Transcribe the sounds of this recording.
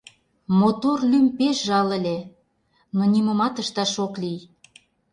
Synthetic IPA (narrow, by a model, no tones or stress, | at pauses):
mot̪orlympeʃʒɑlə̆lʲe | nonʲimə̆mɑt̪əʃt̪ɑʃoklij